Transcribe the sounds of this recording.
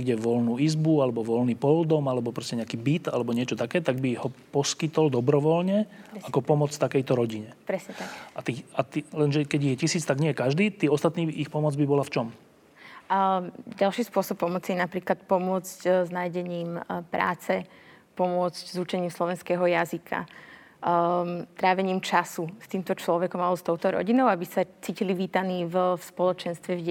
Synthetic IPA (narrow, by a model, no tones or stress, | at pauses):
ɡɟɛʋɔlnuːizbualɛbɔʋɔlniːpɔld̪ɔmalɛbɔpɾɔscɛɲɛakiːbit̪alɛbɔɲɪɛt͡ʃɔt̪akɛːt̪aɡbihɔpɔskit̪ɔld̪ɔbɾɔʋɔlɲɛakɔpɔmɔt͡sft̪akɛjt̪ɔɾɔɟiɲɛpɾɛsɲɛt̪aʔat̪iːat̪ilɛnʒɛkɛɟiɣjɛcisiːt͡st̪aɡɲɪɛjɛkaʒd̪iːt̪iːɔst̪at̪niːixpɔmɔd͡zbibɔlaft͡ʃɔm | ɟalʃiːspʊɔsɔpːɔmɔt͡sijɛnapɾiːklat̪̚pɔmʊɔt͡scznaːjɟɛɲiːmpɾa̰ːt͡sɛ | pɔmʊɔt͡sczut͡ʃɛɲiːmslɔʋɛnskɛːɦɔjazikʰa̰ | t̪ɾaːʋɛɲiːmt͡ʃasust̪iːmt̪ɔt͡ʃlɔʋɛkɔmallɛst̪ɔʊt̪ɔɾɔ̰ɟinɔʊabisat͡siːciliʋiːt̪aniːvfspɔlɔt͡ʃɛnst̪ʋɛvɟ